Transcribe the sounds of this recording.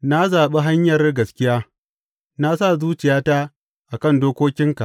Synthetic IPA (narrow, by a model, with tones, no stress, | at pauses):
na˦zaː˨ɓe˦ɦa˦ɲjɐ˨rɡɐ˨skʲɪ˦jaː˦ | na˦s̬a˦˨zuː˦t͡ʃɪ˨jaː˦ta˦ | ʔa˨kɐ˦˨ndoː˦kʷoː˦kʲɪ˦ŋka˨ʔ